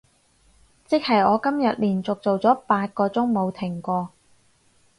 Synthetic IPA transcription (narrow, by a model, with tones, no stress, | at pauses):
t͡sɪ˥k̚hɐ˨jɔː˨˧kɐ˥mjɐ˨t̚liː˨˩nt͡sʊ˨k̚t͡so˨wt͡sɔː˨˥paː˧t̚kɔː˧t͡sʊ˥ŋmo˨˧wt̪ʰɪ˨˩ŋkʷɔː˧